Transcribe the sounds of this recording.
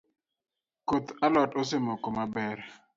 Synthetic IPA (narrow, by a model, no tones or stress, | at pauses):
kot̪alɔtos̬ɪmɔkɔmabɛɾ